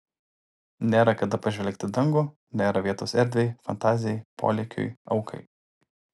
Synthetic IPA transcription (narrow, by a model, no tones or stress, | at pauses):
nʲeːɾɐkɐd̪ɐpɐʒʲʋʲɛlʲkt̪ʲɪd̪ɐŋɡoː | nʲeːɾɐʋʲiɛt̪oːsɛɾʲd̪ʲʋʲɛɪfɐ̰nt̪ɑːzʲɪjɛɪpo̰ːlʲɛkʲo̰ɪɐʊkʰɐ̰ɪ